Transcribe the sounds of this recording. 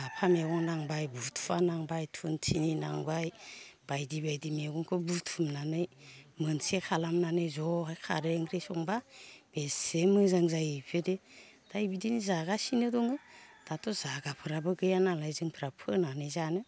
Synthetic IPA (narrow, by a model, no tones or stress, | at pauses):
apʰameɡɔŋnaŋbajbutʰuanaŋbajtʰuntʰininaŋbajb̥ajdibajdimeɡɔŋkʰɯbutʰumnanɯjmɯnsekʰalamnanɯjzɔajkʰa̰ɾeŋʰɾesɔŋbab̥esemɯzaŋzajpʰɯde | d̥ajbidinizaɡasinɯdɔŋɯd̥atʰɔzaɡapʰɯɾabɯɡɯjanalajzɯŋpʰɾapʰɯnanɯjzanɯ